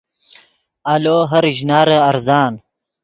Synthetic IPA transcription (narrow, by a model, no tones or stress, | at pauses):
aloːɦɐɾʑnaːɾəːɾzɑːn